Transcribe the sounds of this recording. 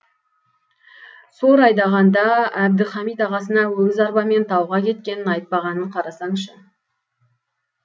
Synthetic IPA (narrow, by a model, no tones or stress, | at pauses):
soɾɑjd̪ɑʁɑnd̪ɑæb̚d̪ɪχɑmijt̪ɑʁɑsənɑwɵɡʲɪzɑɾbɑme̞nt̪ʰɑwʁɑkʲʰe̞t̪̚kʲe̞nɪnɑjt̪̚pɑʁɑnəɴqʰɑɾɑsɑɴʃə